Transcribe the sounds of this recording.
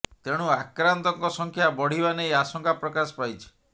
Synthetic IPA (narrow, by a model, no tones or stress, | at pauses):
t̪eɽ̃uakɾant̪ɔŋkɔsɔŋkʰjabɔɽ̤ibanejasɔŋkapɾɔkasɔ̥pajt͡ʃʰi̥